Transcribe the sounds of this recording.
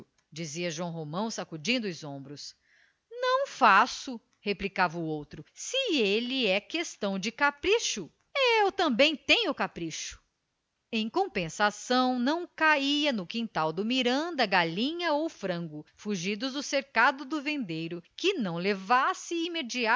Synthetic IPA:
d͡ʒiziɐʒwɐ̃w̃ɦomɐ̃w̃sakud͡ʒĩnd̪ʊzõmbɾʊs | nɐ̃w̃fasʊ | heplikavɐʊowt̪ɾʊsɪelɪɛkest̪ɐ̃w̃d͡ʒɪkapɾiʃʊ | eewt̪ɐ̃mbẽj̃t̪ẽjʊkapɾiʃʊ̥ | ẽj̃kõpẽsasɐ̃w̃nɐ̃w̃kaiɐnʊkĩnt̪awd̪ʊmiɾɐ̃nd̪ɐɡalĩɲɐowfɾɐ̃ŋɡʊfuʒid̪ʊzd̪ʊseɾkad̪ʊd̪ʊvẽnd̪ejɾʊkɪnɐ̃w̃levasɪimed͡ʒia

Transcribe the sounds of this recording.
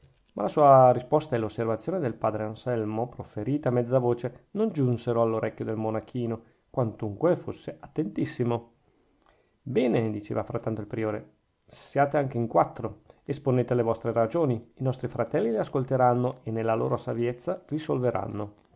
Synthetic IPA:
malasuːaɾispɔst̪aɛlːosːervat̪sjoːned̪elpaːd̪ɾeansɛlmopɾofeɾiːt̪amɛd̪zːavoːt͡ʃenond͡ʒunseɾoalːoɾʔɛkʲːjod̪elmonakʰiːno | kwant̪uŋkwefosːeʔat̪ːent̪isːimo | bɛːned̪it͡ʃḛːvafɾat̪ːant̪oilpɾioːɾe | sjaːt̪eaŋk̟eiŋkwat̪ːɾoesponeːt̪ealevɔst̪ɾeɾad͡ʒoːniinɔst̪ɾifɾat̪ɛlːileaskolt̪eɾanːoenːelːalo̰ːɾosavjɛt̪sːarisolveɾʔa̰nːo

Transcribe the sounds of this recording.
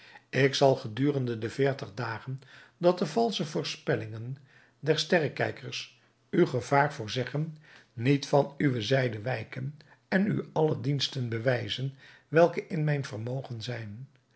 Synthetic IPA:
ɪksɑlˠχədyːrəndədəvɪːɹtəχdaːχəndɑt̚dəvɑlˠsəvʊːɹspɛlɪŋən | dɛɹstɛrəkɛjkəɹs | ywχəv̥aːɹvʊːɹzɛχənːitfɑnyʋəzɛjdəʋɛjkən | ɛny̰ɑlədinstənbəʋɛjzən | ʋɛlˠkəʔɪnmɛjnvərmowχənzɛjn

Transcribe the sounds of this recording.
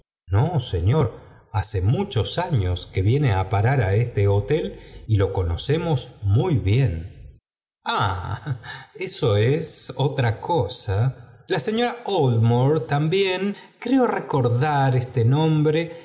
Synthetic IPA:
noseɲo̞ɾ | ase̞mut͡ʃo̞saɲo̞ske̞βje̞neapaɾaɾaest̪eot̪e̞lilo̞ko̞no̞se̞mo̞smujβje̞n | a | eso̞esot̪ɾakʰosalaseɲo̞ɾaolmoɾt̪ambje̞ŋ | kɾeo̞re̞ko̞ɾðaɾest̪enõ̞mbɾe̞

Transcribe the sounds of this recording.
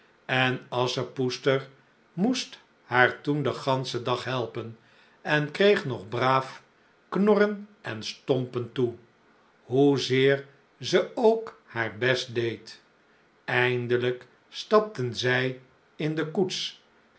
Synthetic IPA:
ɛnɑsəpustəɹ | must | haːɹtundəχɑnsədɑχɦɛlˠpən | ɛnkrejχnɔχbraːf | knɔrənɛnstɔmpəntu | ɦuzɪːɹ | zəowkhaːɹbɛst̚dejt | ɛjndələk | stɑp̚tənzɛj | ɪndəkuts

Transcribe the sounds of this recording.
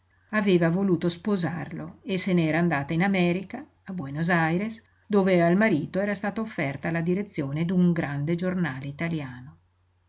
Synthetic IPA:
aveːvavoluːt̪ospozarloeseneɛːɾaːnd̪aːt̪ainamɛːɾikaː | bwɛnozajɾes | d̪oːvealmaɾiːt̪oɛːɾast̪aːt̪oofːɛrt̪alad̪iɾet̪sːjoːned̪uŋɡɾand̪ed͡ʒornaːleit̪aljaːno

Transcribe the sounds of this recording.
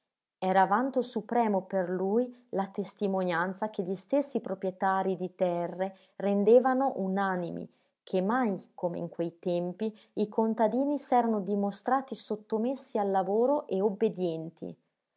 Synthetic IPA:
ɛːɾaːvant̪osupɾɛːmoperlujlat̪est̪imonjant̪sak̟eʎist̪esːipɾopɾjet̪aːɾid̪it̪ɛrːe | rend̪eːvanoʔunanimḭ | kʰemːajkomḛḭŋkwejt̪ɛmpi | ikʰont̪ad̪iːnisɛːɾanod̪imost̪ɾaːt̪isot̪ːomesːialːavoːɾoʔeobːed̪jɛnt̪ʰḭ

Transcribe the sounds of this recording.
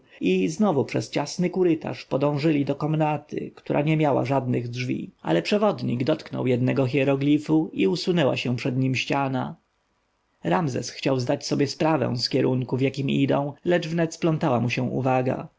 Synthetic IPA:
iznɔvupʂɛst͡ɕasnɘkuɾɘt̪ʰa̰ʂpɔd̪ɔ̃w̃ʐɘlʲid̪ɔkɔmnat̪ʰɘ̰kt̪uɾʔa̰ɲɛmʲjawa̰ʐad̪nɘɣdʐvʲḭʔa̰lɛpʂɛvɔd̪ɲḭɡd̪ɔt̪knɔ̰wjɛd̪nɛɡɔx̬ʲɛɾɔɡlʲifuiusunɛwa̰ɕɛ̃pʂɛd̪ɲimɕt͡ɕana | ɾamzɛ̰sxt͡ɕawzd̪at͡ɕsɔbʲjɛspɾavɛ̰̃w̃skʲɛɾuŋkuvjakʲimid̪ɔ̰̃w̃lɛd͡ʐvnɛt̪splɔnt̪awamuɕɛ̃w̃ʔṵvaɡa̰

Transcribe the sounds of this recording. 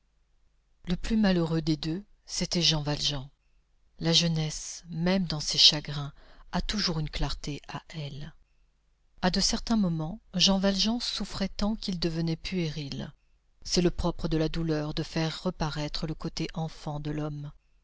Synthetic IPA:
ləplymaløʁød̪ed̪ø | set̪ɛʒɑ̃valʒɑ̃ | laʒənɛsmɛmd̪ɑ̃seʃaɡʁɛ̃at̪uʒuʁynklaʁt̪eʔaʔɛl | ad̪əsɛʁt̪ɛ̃mɔmɑ̃ʒɑ̃valʒɑ̃sufχɛt̪ɑ̃kʲild̪əvənɛpyeʁil | sɛləpχɔpχəd̪əlad̪ulœʁd̪əfɛʁːəpaʁɛt̪χələkot̪eʔɑ̃fɑ̃d̪əlɔm

